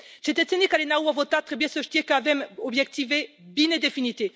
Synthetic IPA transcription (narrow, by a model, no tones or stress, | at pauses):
ʒet̪ɛsenekalenauavot̪at̪χɛbjɛ̃søʒt̪jɛkavɛmɔbʒɛk̚t̪ive | bined̪efinit̪e